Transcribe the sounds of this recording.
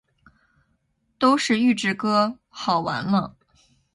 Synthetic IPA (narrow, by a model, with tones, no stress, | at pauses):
t̪o˥ʊʂɻ̩˥˧y˥˧ʈ͡ʂɻ̩˥˩kɤ˥ | xɑ˨˩ʊwa̰˧˥nlə˧